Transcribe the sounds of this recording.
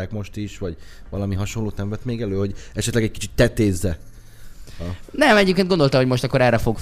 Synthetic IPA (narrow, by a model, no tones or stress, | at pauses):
akmo̞ʃt̪iʃʋɒɟ | vɒlɒmiɦɒʃonloːt̪nɛmvɛt̪meːɡɛløːho̞ɟɛʃɛt̪lɛɡɛɟ̚kit͡ʃit̪ːɛt̪eːzːɛ | ɒnɛmɛɟeːpkeːnɡond̪olt̪ɒɦomo̞ʃt̪ɒkːo̞ɾɛrːɛfo̞ɡ